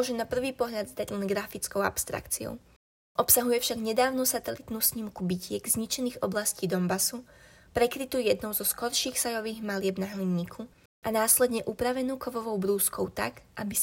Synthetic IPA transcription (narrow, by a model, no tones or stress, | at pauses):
ɔʒɛnapr̩ʋiːpɔɦʎad̪zd̪aɟlɛnɡɾafit͡skɔʊa̰pst̪ɾa̰kt͡siɔ̰ʊ | ʔɔpsaɦujɛfʃaɡɲɛd̪aːʊnusat̪ɛlit̪nuːsɲimkubicɪɛɡzɲit͡ʃɛniːɣɔblasciːd̪ɔmbasupɾɛkɾit̪uːjɛd̪nɔʊzɔskɔɾʃiːxsajɔʋiːɣmalɪɛbnaɦliɲːikʰu | ʔanaːslɛd̪ɲɛʔupɾaʋɛnuːkɔʋɔʋɔʊbɾuːskɔʊt̪a̰kʔabi